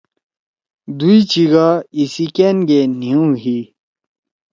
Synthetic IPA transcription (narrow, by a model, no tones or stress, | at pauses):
d̪uit͡ɕiɡaisikenɡeniũɦi